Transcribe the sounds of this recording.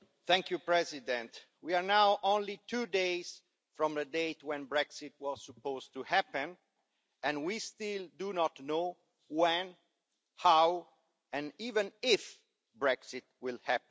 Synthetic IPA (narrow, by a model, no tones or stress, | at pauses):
θɛ̃ŋkjupɹɛzidɛ̃nt | wiaɹnawʔõnlit̪ʰudeɪz̥ | fɹɔ̃mðədeɪtwɛ̃nbɹɛksɪt̪̚wɔzsupozt̪uhæpə̃n | ɛ̃nwist̪ɪldunɔtno | wɛ̃n | haw | ɛ̃nivə̃nɪf | bɹɛksɪt̚wɪlhæp